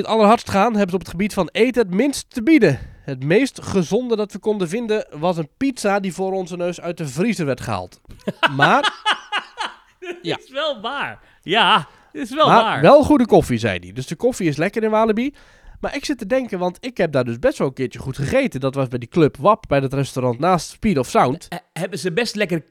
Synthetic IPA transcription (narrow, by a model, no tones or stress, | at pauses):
ətɑlˠərɦɑɹtstχaːnɦɛbənzəɔpətχəbitfɑnejtəətmɪnstːəbidəhətmeːjstχəzɔndədɑtʋəkɔndəvɪndəʋɑs̬ənpitsadivʊːɾɔnzənøɥsœɥt̚dəvrizəʋɛɹtχəɦa̰ːlˠtmaːr | jaʋɛlˠʋaːɹ | ja | ɪsʋɛlˠmaɹʋɛlˠχudəkɔfizɛ̰jdḭdøsdəkofiɪslɛkəɾɪnʋaːlˠəbi | maːrʔɪksɪtədɛŋkənʋɑntɪkhɛp̚daːrdøsbɛstʋɔlˠəŋkɪːtjəχutχəχeːtəndɔtʋɑsbɛjdikløpʰʋɑpbɛjdətrɛstorɑntnaːstspitɔfsawnthɛbəzəbɛstlɛkər